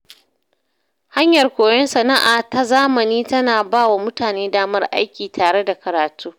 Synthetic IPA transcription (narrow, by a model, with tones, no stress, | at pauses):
ha˦ɲjɐ˨rkʷoː˨jɔ˦nsɐ˨na˦ʔaː˨ta˦zaː˦mɐ˨niː˦tɐ˦naː˨baː˦wa˨mʊ˦taː˨neː˦daː˦mɐ˦rʔa̰˦jkʲiː˨tʰaː˨ɽe˦da˨kɐ˨ɾaː˨tuː˦